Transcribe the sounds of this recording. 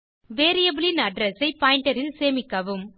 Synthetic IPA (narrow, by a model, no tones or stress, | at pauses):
ʋeːɾijɐbɪlɪnɐɖɾɛsɐɪpaːɪɳʈɐɾɪlseːmɪkːɐʋɯm